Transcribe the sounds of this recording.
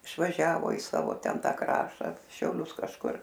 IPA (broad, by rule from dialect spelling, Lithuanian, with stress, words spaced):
ɪʃʋɐˈʒʲæːʋoː ɪ ˈsɑːʋoː ˈtʲɛn ˈtɑː ˈkrɑːʃtɐ ʃʲɛʊˈlʲʊs kɐʃˈkʊr